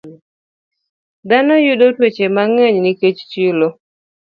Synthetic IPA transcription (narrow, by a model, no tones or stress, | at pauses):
d̪anɔjudotwet͡ʃemaŋeɲnɪket͡ʃt͡ʃilo